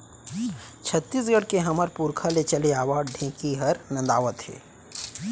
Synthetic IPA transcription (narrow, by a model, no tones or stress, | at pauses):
t͡ʃʰɐt̪ːiːsɡəɽkeɦɐməɾpuɾkʰalet͡ʃɐleaːʋaːɖɖʱẽːkiɦɐɾnɐ̃nd̪aːʋət̪hḛː